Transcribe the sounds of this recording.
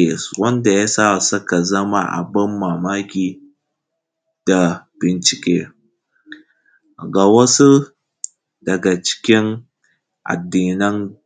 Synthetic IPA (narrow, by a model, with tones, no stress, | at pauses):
wɐ˦nda˨ja˦saː˦˨sɐ˦ka˨zɐ˦ma̰˦ʔa̰˨bɐ˦mːaː˨maː˦kʲiː˨ | d̥a˨b̥ɪ˨nt͡ʃɪ˨kʲeː˦ | ɡa˨wɐ˦su˦ | dɐ˨ɡa˨t͡ʃɪ̥˦kʲɪ˦n | ʔa̰˨dːiː˨nɪ˦n